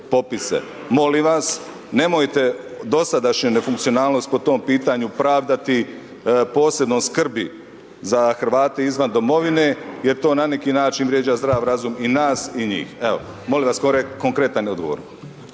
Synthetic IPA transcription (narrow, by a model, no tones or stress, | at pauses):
po̞pisḛ | mo̞limʋas | ne̞mojt̪e̞d̪o̞sad̪aʃɲunefuŋkt̪sio̞naːlˠno̞st̪̚po̞t̪o̞ːmpiːt̪aɲupɾaːʋd̪at̪i | po̞ːse̞bnoskr̩bi | zaxɾ̩ʋaːt̪e̞izʋand̪o̞mo̞ʋine̞je̞ɾt̪o̞ːnanekiːnaːt͡ʃinʋɾjed͡ʑazd̪ɾaːʋɾazuminaːsiɲḭːxeo̰ | mo̞limʋaskoɾekoŋkɾet̪aniod̪ɡoʋo̰ɾn